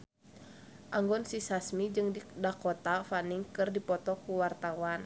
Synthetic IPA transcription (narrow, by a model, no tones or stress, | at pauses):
ʔaŋɡɔnsisasmid͡ʒɨŋdidakɔt̪afaniŋkɨrdipɔt̪ɔkuwart̪awan